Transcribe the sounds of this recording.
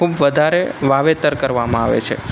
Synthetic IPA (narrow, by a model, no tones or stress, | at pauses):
kubʋəd̪ʱaɾeʋaʋet̪əɾkəɾʋamãaʋḛt͡ʃʰḛ